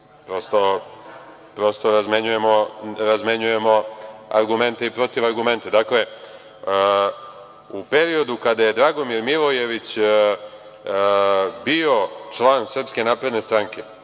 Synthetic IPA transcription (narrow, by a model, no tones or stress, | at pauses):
pɾo̞st̪o̞ | pɾo̞st̪o̞ɾazme̞ɲuje̞mo̞ɾazme̞ɲuje̞mo̞a̰ɾɡume̞nt̪eipɾo̞t̪iʋaɾɡume̞nt̪ed̪akle̞ | upe̞ɾio̞d̪ukad̪aje̞d̪ɾaɡo̞miɾmilˠoje̞ʋit͡ɕ | bio̞t͡ʂlˠaːnsr̩pske̞naːpɾe̞d̪ne̞st̪ɾaŋke̞